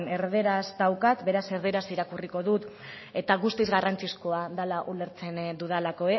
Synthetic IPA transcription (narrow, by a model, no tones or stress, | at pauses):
ne̞rðeɾazd̪awkat̪be̞ɾase̞ɾðeɾasiɾakuriko̞ðut̪ | e̞t̪aɣust̪izɣarant͡siskoaðalaʔule̞ɾt͡se̞nd̪uð̞alako̞e